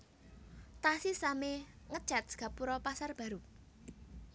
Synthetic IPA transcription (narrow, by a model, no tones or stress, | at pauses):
t̪asisame | ŋə̥ʒ̥a̤t̪̚sɡ̥a̤puɾɔpasarb̥ä̤ɾu